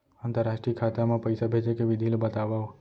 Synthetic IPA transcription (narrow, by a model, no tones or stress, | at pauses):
ãnt̪əɾaʃʈɾiəkʰat̪amãpəjsabʱet͡ʃʰekeʋɪd̪ʱilbət̪aʋaʋ